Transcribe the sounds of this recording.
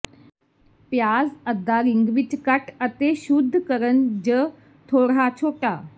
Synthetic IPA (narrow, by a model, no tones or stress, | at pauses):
pjaːzəd̪ːaːɾɪŋɡʋɪt͡ʃkəʈət̪eʃud̪ʱːkəɾənd͡ʒə | t̪ʰoːɾaːt͡ʃʰoːʈaː